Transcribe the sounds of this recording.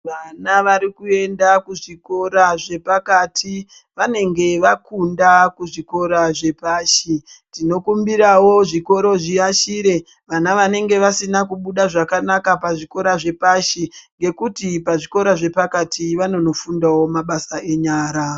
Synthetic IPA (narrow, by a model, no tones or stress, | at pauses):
ʋanaʋaɾikue̞ndakuʐiko̞ɾaʐe̞pakatʰi | ʋane̞ŋɡe̞ʋakundakuʐiko̞ɾaʐe̞paːʃitino̞kumbiɾawo̞ʐiko̞ɾo̞ʐiaʃiɾe̞ | ʋanaʋane̞ŋɡe̞ʋasinakuɓuɗaʐakanakapaʐiko̞ɾaʐe̞paʃiŋɡe̞kutipaʐiko̞ɾaʐe̞pakatʰiʋano̞no̞fundawo̞maɓasae̞ɲaːɾa